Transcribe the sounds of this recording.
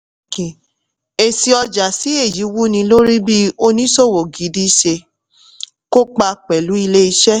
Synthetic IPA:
i˨ | e˨si˧ɔ˧d͡ʒa˨si˨˦e˦˨ji˨˦wu˦nĩ˧lo˦ɾi˦bi˦o˧nĩ˦so˦˨wo˨ɡi˨˦di˦ʃe˧ | ko˦k͡pa˧k͡pɛ˨lu˨˦i˧le˦i˧ʃɛ˦

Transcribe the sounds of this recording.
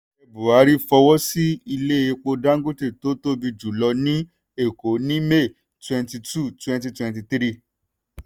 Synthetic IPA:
e˧bu˨a˨˦ɾi˦fɔ˧wɔ˦si˦i˧le˦e˧k͡po˧da˦ŋ̩˦ɡo˦te˦˨to˨˦to˦bi˧d͡ʒu˨lɔ˧nĩ˦ | e˦˨ko˨˦nĩ˦me˦˨ | twɛ̃˧nti˧tu˦˨twɛ̃˧nti˧twɛ̃˧nti˧tɾi˦

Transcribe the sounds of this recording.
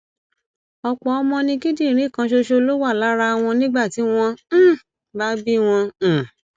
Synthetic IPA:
ɔ˧k͡pɔ˨ɔ˧mɔ̃˧nĩ˧ɡi˦dĩ˦˨ɾ̃ĩ˦˨kã˧ʃo˧ʃo˧lo˦wa˦˨la˨˦ɾa˧˦˧w̃ɔ̃˧nĩ˦ɡ͡ba˦˨ti˨˦w̃ɔ̃˧˦ | ba˦bi˦w̃ɔ̃˧˨

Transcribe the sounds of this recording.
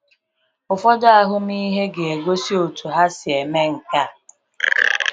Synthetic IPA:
ʊ˨fɔ˦dɔ˦a˨ɦʊ˦mi˦ɦe˦ɡe˨e˨ɡʷo˦si˦o˨tu˨ɦa˦sɪ˨e˨me˦ŋ̩˨ka˦˨

